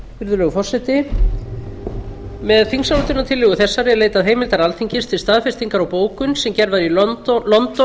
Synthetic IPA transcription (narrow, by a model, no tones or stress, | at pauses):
fɪɾðʏlɛːɣʏfɔr̥sɛjt̪ɪ | mɛðθiŋsawlʏt̪ʏnːat̪ʰɪlːɛɣʏθɛsːaɾjɛðleːjt̪aðɦeːjmɪlt̪aɾalt̪ʰiɲcɪst̪fɪlst̪aːðfɪst̪iŋkaɾawpoːwkʏnsɛmcɛɾvaðilɔnt̪ɔ